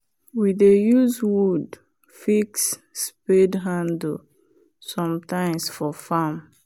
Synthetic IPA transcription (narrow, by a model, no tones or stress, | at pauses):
widejuzwud | fiksː | pedɦãndl̩ | sɔ̃mtãɪ̃msfɔfam